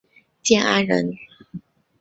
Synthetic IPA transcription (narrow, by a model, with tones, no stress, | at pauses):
t͡ɕjɛ˥˩na˥nɻə̰˧˥n